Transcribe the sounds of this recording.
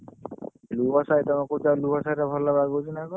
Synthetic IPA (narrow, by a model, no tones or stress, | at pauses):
lubasajt̪ɔmakutalubasajɾabʱɔlːabaɡot͡ʃʰinakɔ